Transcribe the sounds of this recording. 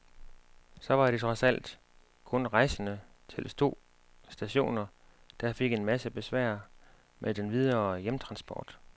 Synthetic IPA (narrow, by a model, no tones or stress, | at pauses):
sɒ̽ʋɑ̈d̥et͡sʰʁɒ̽sæl̰d̥ | kʰɔ̽nʁɑ̈ɪsənə | t͡sʰe̝lst͡sʰo̝̰ː | sd̥æɕo̝̰ːnɐ | d̥ɑ̈fe̝ɡ̥e̝nmæsəb̥e̝sʋæ̰ɐ̰ | mʔed̥enʋið̞ˠɐːjemt͡sʰʁɑ̈nsb̥ɒ̰ːd̥